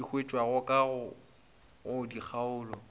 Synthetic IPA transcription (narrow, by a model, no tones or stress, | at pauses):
ik͡xʰwet͡ʃʼwaɣʊkʼaɣʊ | ɣʊdik͡xʰaʊːlɔ